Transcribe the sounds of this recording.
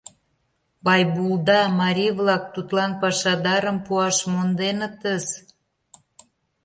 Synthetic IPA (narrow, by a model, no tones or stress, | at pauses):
bɑjbuld̪ɑmɑɾʲijβlɑk̚t̪ut̪lɑnpɑʃɑd̪ɑɾəmpuɑʃmond̪enət̪əz